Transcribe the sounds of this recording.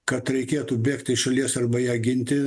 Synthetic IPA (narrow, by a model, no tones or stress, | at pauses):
kɐt̪ɾʲɛɪkʲeːt̪uːbʲeːkt̪ʲɪʃɐlʲiɛsɐrbɐjæːɡʲɪnʲt̪ʲɪ